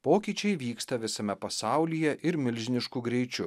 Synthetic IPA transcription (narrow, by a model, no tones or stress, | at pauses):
poːkʲiːt͡ʃʲɛɪʋʲiːkst̪ɐʋʲɪsɐmʲɛpɐsɑˑʊlʲijɛʔɪɾmʲɪlʲʒʲɪnʲɪʃkuɡɾʲɛɪt͡ʃʲʊ